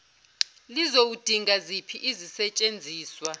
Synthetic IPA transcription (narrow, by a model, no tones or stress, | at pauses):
lizowud̥ʱiŋɡazipʰiʔizisɛt͡ʃʼend͡zʱiːswa